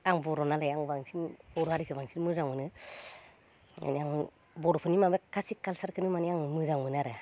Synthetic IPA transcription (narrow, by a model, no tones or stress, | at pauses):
aŋbɔɾɔnalajaŋbaŋsinɔɾɔaɾikʰɯbaŋsinmɯzaŋmɯnɯ | a̰naŋ | bɔɾɔpʰɯnimabekasikːalsaɾkʰɯnɯmaniaŋmɯzaŋmɯnaɾɯ